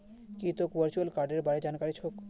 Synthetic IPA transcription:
kit̪okbəɾt͡ʃualkaɾɖeɾbaɽed͡ʑankaɾit͡ɕʰok

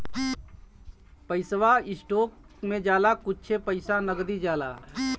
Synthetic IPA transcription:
pəɪsʋaɪsʈoːk̚ | mẽd͡ʒaːlakʊt͡ʃʰepəɪsanəɡd̪id͡ʒaːla̰

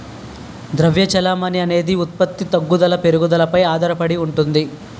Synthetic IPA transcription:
d̪ɾɐʋjɐt͡ʃɐlaːmɐniɐne̞ːd̪iut̪̚pɐt̪ːit̪ɐɡːud̪ɐlɐpe̞ɾuɡud̪ɐlɐpɐjaːd̪ʱɐɾɐpɐɽiuɳʈund̪i

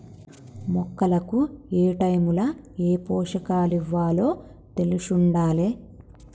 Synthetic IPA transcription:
mɔkːɐlɐkueːʈɐjmulɐeːpɔːʂɐkaːliʋːaːlo̞ː | t̪e̞lusuɳɖaːleː

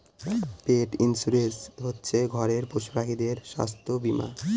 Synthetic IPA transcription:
peʈinsuɾesɦotːɕʰeɡʱɔɾeɾpoʃpɾaɦid̪eɾʃa̰st̪obima̰

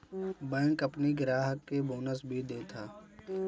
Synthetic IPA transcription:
bɛ̃ːkɐpniɡɪɾaːɦəkːeboːnəsbʱid̪eːt̪ʰaː

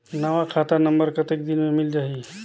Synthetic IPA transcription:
nəʋakʰaːt̪ənəmbəɾkət̪ek̚d̪inmemɪld͡ʒaːɦi

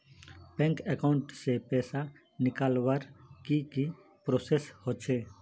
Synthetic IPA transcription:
pɛ̃ːŋkɛkaʊɳʈsepɛːsa | nɪkaːlwaɾkiki | pɾoːseshot͡ʃʰeː

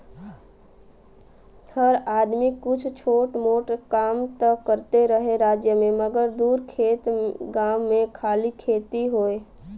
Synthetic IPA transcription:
həɾaːd̪mɪkːʊt͡ʃʰt͡ʃʰoːʈmoːʈkaːmt̪əːəɾt̪eɾəɦeɾaːd͡ʒjəmẽməɡəɾd̪uːɾkʰeːt̪ɡaːmːẽkʰaːlikʰeːt̪iɦoːe

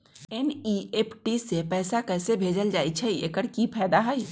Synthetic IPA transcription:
eniepʰʈisepɛɪsakɛɪsebʱed͡ʒəld͡ʒaːjt͡ʃʰɛiekəɽkipʰɛːd̪aɦəj

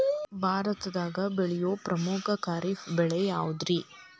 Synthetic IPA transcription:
bʱaːɾɐt̪ɐd̪aːɡɐbɛɭijoːpɾʔɐmukʰɐkaːɾifbɛɭɛjaːud̪ɾi

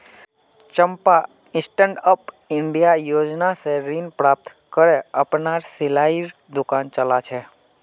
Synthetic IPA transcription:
t͡ʃəmpa | ɪ̃sʈə̃ɳɖəp | ɪɳɖijajod͡ʒnaseɾinpɾap̚t̪ | kəɾeəpnaɾsɪlaiɾ | d̪ʊkant͡ʃəlat͡ʃʰe

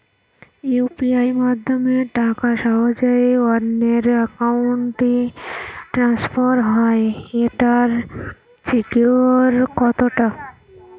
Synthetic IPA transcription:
juːpiaːimad̪ʱjəmẽʈaːkaʃaod͡ʒaeɔɾneɾəkaʊɳʈi | ʈɾãːspʰəɾɦajeʈaɾ | sikjuɾkɔt̪oʈa

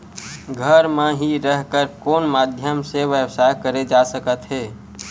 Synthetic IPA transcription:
ɡʱəɾmeɦiɾəɦkəɾkoːnmad̪ʱjəmseʋjəwsajkəɾed͡ʒasəkət̪ɦeː

